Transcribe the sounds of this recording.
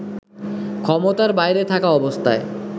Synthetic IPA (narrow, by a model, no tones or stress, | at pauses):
kʰɔmot̪aɾbajɾet̪ʰakaɔbost̪ʰae